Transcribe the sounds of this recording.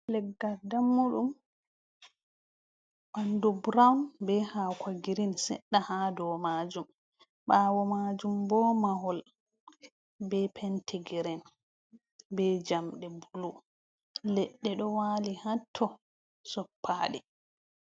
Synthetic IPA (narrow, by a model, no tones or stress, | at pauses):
lɛɡːaɾdamːuɗum | ɓandubɾawnbɛhakʰaɡiɾinsɛ̰ɗːahadɔmad͡ʒum | ɓaːwɔmad͡ʒumbɔmaɦɔl | bɛpʰɛntʰɛɡiɾɛn | bɛd͡ʒamɗɛbulu | lɛɗːɛɗɔwaːlihatʰːɔ | sɔpʰːaːɗɛ